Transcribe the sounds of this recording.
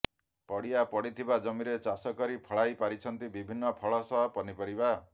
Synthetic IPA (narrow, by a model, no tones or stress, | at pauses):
pɔɽijapɔɽit̪ʰibad͡ʒɔmiɾet͡ʃasɔkɔɾipʰɔɭajpaɾit͡ʃʰɔnt̪ibibʱinːɔpʰɔɭɔsɔɦpɔnipɔɾiba